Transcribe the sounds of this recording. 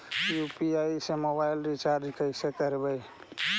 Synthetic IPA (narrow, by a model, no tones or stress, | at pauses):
jupiajisemobailɾit͡ʃaɾd͡ʒkʰəɪsekəɾbəj